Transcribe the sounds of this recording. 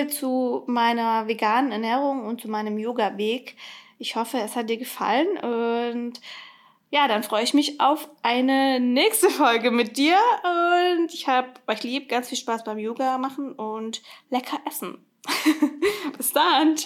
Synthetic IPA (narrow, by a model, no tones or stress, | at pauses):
t͡sumaɪnɐveɡaːnənɛɐnɛːʁ̞ʊŋʊnt̚t͡sumaɪnəmjoːɡaveːkʔɪçhɔfəɛshat̚d̥iːɐɡəfa̰lənʔʊnt | jaːɾanfʁ̥ɔʏəɪçmɪçaʊfʔaɪnənɛːçstəfɔlɡəmɪt̚d̥iːɐʔʊntɪçhaːbəʔɔʏçliːp̚ɡ̥ant͡sfiːlʃpaːsb̥aɪmjoːɡamaχn̩ʔʊntlɛkʰɐʔɛsn̩ | b̥ɪsd̥ahɪn